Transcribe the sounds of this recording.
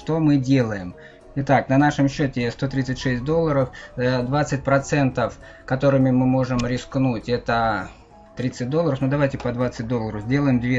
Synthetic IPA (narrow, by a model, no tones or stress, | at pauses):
ʂt̪o̞mɨdʲe̞lˠəjɪm | ɪt̪aknɐnaʂɨmɕːotʲɪst̪o̞t̪ɾʲit̪sɨtʲʂɛsʲt̚ʲd̪o̞lˠːəɾəfd̪vat̪sɨt̚ʲpɾɐt̪sɛnt̪əf | kɐt̪o̞ɾɨmʲɪmɨmo̞ʐɨmɾʲɪsknutʲɛt̪ə | t̪ɾʲit̪sɨt̚ʲd̪olˠəɾəfnud̪ɐvajtʲɪpəd̪vat̪sɨt̚ʲd̪o̞lˠːəɾəvzʲdʲe̞lˠəjɪmd̪vʲe